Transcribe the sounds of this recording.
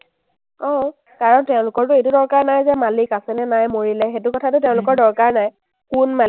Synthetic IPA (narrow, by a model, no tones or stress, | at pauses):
ɔ̃ | kaɹɔntɛʊ̃lʊkɔɹtʊejtudɔɹkaɹnajzɛmalikasɛnɛnajmoɹilɛxetʊkɔtʰatʊtɛʊ̃lʊkɔɹdɔɹkaɹnaj | kʊnmal